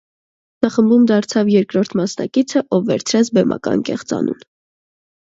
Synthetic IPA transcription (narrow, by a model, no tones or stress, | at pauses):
nəχəmbumd̪ɑɾt͡sʰɑvjɛɾkɾɔɾt̪ʰmɑsnɑ̰kit͡sʰəʔɔvːɛɾt͡sʰɾɛt͡sʰbɛmʔɑ̰kɑ̰nkɛχt͡sɑ̰nṵn